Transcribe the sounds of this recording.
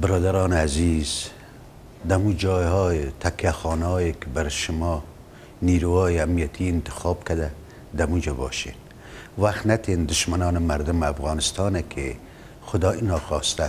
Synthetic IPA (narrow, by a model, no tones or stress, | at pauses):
bɪɾɔːd̪aɾɔːnaziz̥ | d̪amud͡ʒɔːjɦɔːjet̪ʰakjaxɔːnɔːjekɪbaɾʃʊmɔː | niːɾuhɔːjeamnijat̪ʰiɪnt̪ɪ̥xɔːbkad̪a | d̪amud͡ʒabɔːʃḛːn | waxt̪nat̪ʰeːnd̪ʊʃmanɔːnɪmaɾd̪ʊmafɣɑːnɪst̪ɑːnekʰe | xʊd̪ɒːinɑːxɔːst̪a